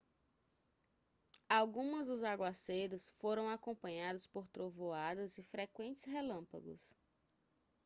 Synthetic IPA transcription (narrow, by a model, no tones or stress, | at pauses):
awɡũmɐzʊzaɡwasejɾʊsfoɾɐ̃w̃akõmpɐ̃ɲad̪ʊspoɾt̪ɾovoad̪ɐzɪfɾekwẽnt͡ʃɪ̥sɦelɐ̃mpa̰ɡʊ̰s